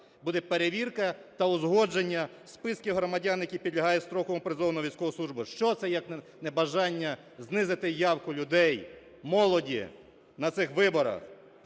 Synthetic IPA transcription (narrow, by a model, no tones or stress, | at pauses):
bud̪ɛpeɾeʋʲirkɐt̪ɐʊzɦɔd͡ʒenʲːɐ | spɪskʲɪɦɾɔmɐdʲanjɐkʲipʲid̪lʲɐɦɑjɛst̪ɾɔkɔmʊpɾezɔwnɔɔʋʲijsʲkɔʋɔslˠuʒbɪʃt͡ʃɔt̪sɛjɐkn | nɛbɐʒɑnʲːɐ | znɪzɪt̪ɪjɑwkʊlʲʊd̪ɛj | mɔlˠɔdʲḭ | nɐt̪sɪxʋɪbɔɾɐ̰x